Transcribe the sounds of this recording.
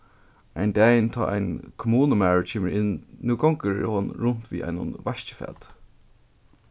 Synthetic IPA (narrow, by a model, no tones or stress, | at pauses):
aɪnd̪æːjɪnt̪ʰɑ̰ːʔa̰ɪnkʰʊmuːnəmæːɹt͡ʃʰeːməɹɪnnuːɡɔŋkəɾ̰hɔnɹʊn̥t̪vḭːʔa̰jnʊ̰nʋaʃt͡ʃə̥fæ̰ːt̪